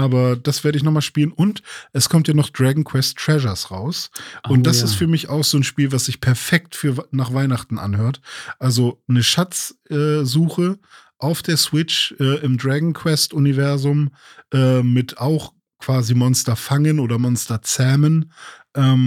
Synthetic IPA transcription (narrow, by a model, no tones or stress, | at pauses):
ʔaːbɐd̥asv̥eːɐɾəɪç̬nɔχmaːlʃpiːlənʔʊntʔɛskʰɔmtjaːnɔχd̥ʁaɡŋ̩kʰw̥ɛstːʁ̥ɛʒɐsʁa̰ʊsʊntd̥asɪstfyːɐmɪçaʊxz̥oːnʃpiːlvasz̥ɪçpʰɛɐfɛktfyːɐnaːχv̥aɪnaχtn̩ʔa̰nhøːɐtʔalzonəʃat͡sɛːzuːxə | ʔaʊfd̥eːɐsw̥ɪt͡ʃʔɛːʔɪmdʁaɡŋ̩kʰw̥ɛstʔʊnivɛɐzʊm | ʔɛːmɪtaʊx | kv̥aːzimɔnstɐfaŋənoːdɐmɔnstɐt͡sɛmənʔɛːm